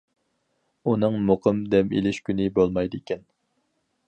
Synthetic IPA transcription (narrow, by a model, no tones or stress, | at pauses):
unɨŋmoqʰəmd̪ɛmḛlɪʃkʲynɪbolˠmɑjd̪ɨikʲʰɛn